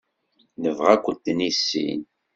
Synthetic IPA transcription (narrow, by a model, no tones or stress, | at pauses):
nəvʁækʷət̪ːnisːḭn